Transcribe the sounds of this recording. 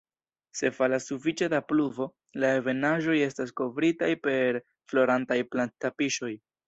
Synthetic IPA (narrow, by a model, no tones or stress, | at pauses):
se̞falasːufit͡ʃe̞dapluvo̞ | laeve̞naʒo̞je̞stas̬ko̞vɾitajpe̞ɾ | flo̞ɾantajplantapiʃo̞j